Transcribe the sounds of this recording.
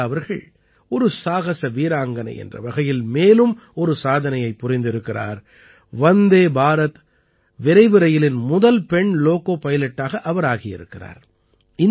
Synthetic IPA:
ɐʋɐɾɣɐ̰ɭ | ɔɾɯsaːɣɐsɐʋiːɾaːŋɡɐnɐ̰ʔɛ̰ndrɐ̰ʋɐɣɐjɪlmeːlɯm | ɔɾɯsaːðɐnɐjɐɪpːʊrɪnd̪ɪɾɯkːɪra̰ːɾ | ʋɐnd̪eːbʱaːɾɐt̪ | ʋɪɾɐɪʋɪɾɐjɪlɪnmʊðɐlpɛɳloːkoːpɐjɐlɛʈːaːɣɐʔɐʋɐɾaːɣɪjɪ̰ɾɯ̰kːɪra̰ːɾ | ɪ

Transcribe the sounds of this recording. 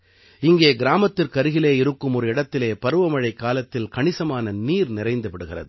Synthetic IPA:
ɪŋɡeːɡɪɾaːmɐt̪ːɪrkɐɾɯɣɪleːɪɾɯkːɯmɔɾɯɪɽɐt̪ːɪleːpɐɾɯʋɐmɐɻɐɪkːaːlɐt̪ːɪlkɐɳɪsɐmaːnɐniːɾnɪɾɐɪnd̪ɯʋɪɽɯɣɪrɐ̰ðɯ

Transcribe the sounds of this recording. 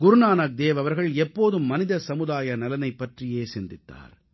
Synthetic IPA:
ɡʊɾʊnaːnɐk̚d̪eːʋɐʋɐɾɣɐɭɛpːoːðɯmːɐnɪðɐsɐmɯðaːjɐnɐlɐnɐɪpːɐʈrɪjeːsɪnd̪ɪt̪ːa̰ːɾ

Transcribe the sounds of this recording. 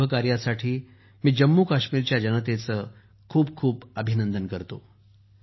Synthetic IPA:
əkaɾjasaʈʰiː | miːd͡ʑəmːukaɕmiɾt͡ɕjad͡ʑənət̪et͡səː | kʰuːb̚kʰuːpəbʱinənd̪ənkəɾt̪o̰

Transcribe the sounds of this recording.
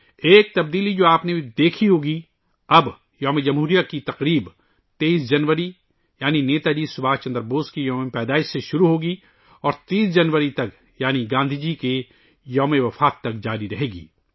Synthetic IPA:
eːk̚t̪ɐbd̪iːlid͡ʒoːaːpnebʱid̪eːkʰiɦoːɡi | ɐb | jɔːmed͡ʒɐmɦuːɾijakit̪ɐqɾiːb | t̪eːiːsd͡ʒɐnʋəɾi | jaːnineːt̪ad͡ʒiːsʊbʱaːt͡ʃɐ̃nd̪əɾboːskijɔːmepɛːd̪aːɪʃseʃʊɾuɦoːɡi | ɔːɾt̪iːsd͡ʒɐnʋəɾit̪ɐk | jaːniɡãːnd̪ʱid͡ʒiːke | jɔːmeʋɐfaːt̪ːɐkd͡ʒaːɾiɾɐɦeːɡḭː

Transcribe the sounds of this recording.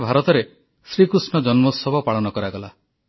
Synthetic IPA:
bʱaɾɔt̪ɔɾe | sɾikɾusnɔd͡ʒɔnmɔsɔbʱɔpaɭɔnɔkɔɾaɡɔla

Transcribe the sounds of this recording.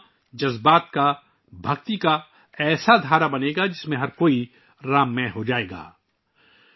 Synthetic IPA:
d͡ʒɐzbaːt̪ka | bʱɐɡt̪ika | ɛːsad̪ʱaːɾabɐneːɡad͡ʒɪsmẽɦɐɾkoːi | ɾaːmːɛ̃ɦod͡ʒaːeːɡa̰ː

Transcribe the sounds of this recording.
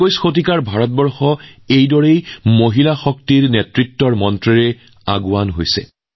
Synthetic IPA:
ojsxot̬ikaɹbʱaɹɔt̚bɔɹxɔejdɔɹejmoɦilaxɔk̚tiɹnetɹitːɔɹmɔntɹiɹɛ | a̰ɡuanɦo̰jsɛ̰

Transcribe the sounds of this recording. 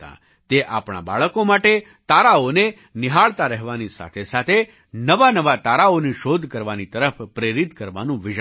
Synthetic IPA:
t̪a̰ | t̪eʔa̰pɽ̃a̰ba̰ɭəkomaʈe | t̪aɾaone | nɪɦaɭt̪aɾɛɦʋanisa̰t̪ʰesat̪ʰe | nəʋanəʋat̪aɾaoniʃod̪ʱkəɾʋanit̪əɾəfʰpɾeɾit̪kəɾʋa̰nũʋɪʃ

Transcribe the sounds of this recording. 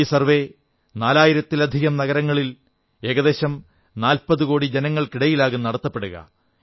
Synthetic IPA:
iːsɐrʋe̞ | naːlaːjiɾɐt̪ːilɐd̪ʱiɣɐmnɐɣɐɾɐŋːɐɭil | e̞ːɣɐðe̞ːɕɐm | naːlpɐðukoːɽid͡ʑenɐŋːɐɭkiɽɐjilaːɣunːɐɽɐt̪ːɐpːe̞ɽuɣɐ̰

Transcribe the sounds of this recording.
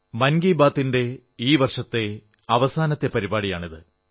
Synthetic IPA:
mɐnɡiːbaːt̪ːinde̞ | iːʋɐrʂɐt̪ːe̞ | ɐʋɐsaːnɐt̪ːe̞pɐɾibaːɽijaːɳiðɨ

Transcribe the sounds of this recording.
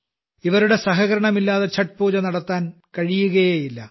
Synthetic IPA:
iʋɐɾuɽe̞sɐɦɐɣɐɾɐɳɐmilːaːðet͡ɕʰɐʈ̚puːd͡ʑɐnɐɽɐt̪ːaːnkɐɻijuɣɐjeːjilːɐ

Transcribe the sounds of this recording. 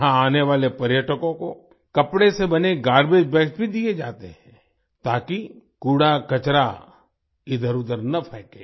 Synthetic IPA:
ɦãaːneʋaːlepɐɾjəʈəkõko | kɐpɽesebɐneɡaːɾbed͡ʒbɛːksbʱid̪ied͡ʒaːt̪eɦɛ̃ | t̪aːkikuːɽakɐt͡ʃɾa | ɪd̪ʱəɾʊd̪əɾnɐpʰɛːkḛː

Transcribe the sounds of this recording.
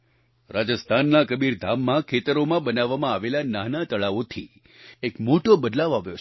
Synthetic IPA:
ɾad͡ʒəst̪ʰanːakəbiɾd̪ʱamːãkʰet̪əɾomãbənaʋːamãaʋelanaɦnat̪əɭaʋot̪ʰi | ekmoʈobəd̪laʋoaʋjot͡ʃʰ

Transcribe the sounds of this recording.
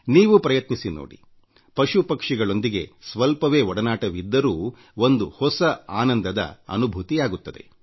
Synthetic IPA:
niːʋupɾɐjɐt̪nisino̰ːɽḭ | pɐʃupɐkʂiɡɐɭo̞nd̪iɡe̞̰sʋɐlpɐʋe̞ːɔɽɐnaːʈɐʋid̪ːɐɾuː | ond̪uhɔsɐaːnɐnd̪ɐd̪ɐ̰ɐ̰nubʱut̪ijaːɡut̪ːɐd̪e̞̰

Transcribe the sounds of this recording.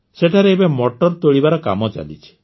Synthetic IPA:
seʈʰaɾeebemɔʈɔɾt̪oɭibaɾɔka̰mɔt͡ʃa̰lḭt͡ʃʰi̥

